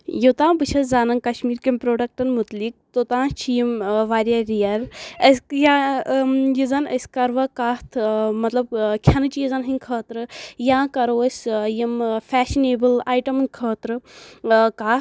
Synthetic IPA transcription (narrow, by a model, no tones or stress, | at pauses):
jot̪ãːbɨt͡ʃʰɐszaːnɐŋkɐʃmiːɾkemʲpɾoːɖɐk̚ʈɐnmut̪lik̚t̪ot̪ãːt͡ʃʰijimʋaːɾʲjɐɾijɐɾəsja | jizɐnɐ̰sʲkɐɾʋɐkaːt̪ʰmɐt̪lɐb̚kʲʰɐnɨt͡ʃʰijizɐnɦɨnkʰəːt̪ɾɨjãːkɐɾoːsʲjimfʰɛːʃineːbɨlaːjʈɐmnkʰəːt̪ɾɨ | kaː